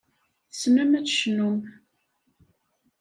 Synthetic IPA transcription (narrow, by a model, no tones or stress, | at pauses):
θsnumæt͡sːʃnum